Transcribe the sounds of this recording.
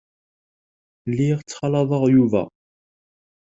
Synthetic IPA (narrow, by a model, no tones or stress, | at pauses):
lːiʁt͡sːχɑlɑðˤɑʁjuvæ̰